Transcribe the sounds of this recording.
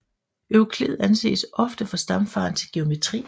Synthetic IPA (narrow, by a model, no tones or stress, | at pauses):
øʊkʰle̝ð̞̩ˠænse̝̰ːsɒ̽fd̥əfɑ̈sd̥ɑ̈mfɑ̈ːn̩t͡sʰe̝lɡ̥e̝o̝me̝t͡sʰʁḭː